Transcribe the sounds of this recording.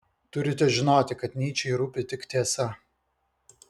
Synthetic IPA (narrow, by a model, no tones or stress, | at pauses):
t̪ʊɾʲɪt̪ʲɛʒʲɪnoːt̪ʲɪkɐt̪nʲiːt͡ʃʲɛɪɾuːpʲɪt̪ʲɪkt̪ʲeɛsɐ